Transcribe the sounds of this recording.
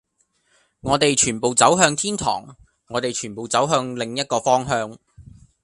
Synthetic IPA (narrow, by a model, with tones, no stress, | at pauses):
ŋɔː˨˧t̪e˨jt͡ʃʰyː˨˩npo˨wt͡sɐ˨˥wɦœː˧ŋt̪ʰiː˥nt̪ʰɔ̰ː˨˩ŋː | ɔː˨˧t̪e˨jt͡ʃʰyː˨˩npo˨wt͡sɐ˨˥wɦœː˧ŋlɪ˨ŋjɐ˥t̚kɔː˧fɔː˥ŋɦœː˧ŋ